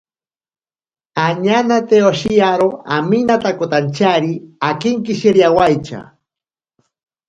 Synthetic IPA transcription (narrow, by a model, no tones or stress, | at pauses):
aɲanat̪eoʃiaɾoa̰minat̪akʊt̪ant͡ʃaɾiakɪŋkɪʃiɾjawajt͡ʃa̰